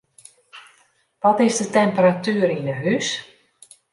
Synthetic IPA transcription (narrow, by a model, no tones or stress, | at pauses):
ʋɔtɪsdətɛmpəɾatyːəɾinəɦys